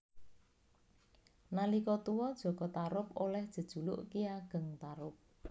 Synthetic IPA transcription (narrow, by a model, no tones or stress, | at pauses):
nalikɔt̪uwɔd̥ʒ̥ɔ̤ɡ̥ɔ̤t̪aɾʊp̚olɛhd̥ʒ̥ə̤d̥ʒ̥ṳlʊ̰ʔkiaɡ̥ə̤ŋt̪aɾʊp̚